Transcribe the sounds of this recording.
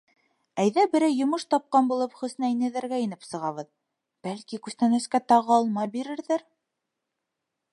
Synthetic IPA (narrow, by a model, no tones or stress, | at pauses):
æjðæbɘ̆ɾæjjŏmɤʃt̪ɑp̚qɑnbulˠɤpχɵ̆snæinɘ̆ðæɾɡæinɘpsɤ̆ʁɑβɤð | b̥ælkikʉst̪ænæ̆skæt̪ɑʁɤːlˠmɑbiɾɘ̆ɾðæɾ